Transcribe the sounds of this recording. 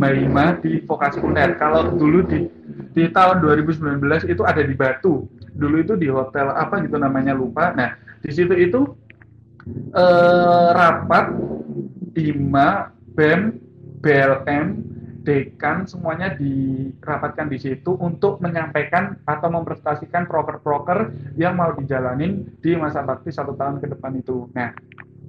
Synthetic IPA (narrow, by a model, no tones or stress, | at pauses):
maimadifokasikundɛt̪̚kaladuludi | dit̪aɦʊnduaɾibus̬əmbilanbəlasit̪uadadibat̪uduluit̪udiɦot̪ɛla̰paɡit̪unamaɲalupanahd̥is̬it̪uit̪u | ʔərapat̪̚ | lima | bɛmbelɛmd̥ekansəmuaɲadirapat̪̚kandisit̪uʔunt̪ʊk̚məɲampakanat̪awməmpəɾəst̪asikanpɾokərpɾokərjaŋmaudid͡ʒalanɪnd̥imasabak̚t̪ɪsːat̪ut̪aɦʊnkədəpanit̪unah